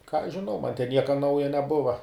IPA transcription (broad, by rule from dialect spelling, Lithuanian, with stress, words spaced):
kɑː ɐʃ ʒʲɪˈnɐʊ mɐn tʲɛn ˈnʲiɛkɐ ˈnɐʊjɛ nʲɛˈbʊʋɐ